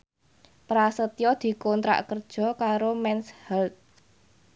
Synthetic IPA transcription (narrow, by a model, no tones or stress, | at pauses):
pɾasət̪jɔd̪̥i̤kɔnt̪ɾa̰ʔkərd̥ʒ̥ɔ̤kaɾomɛnshɛlt̪̚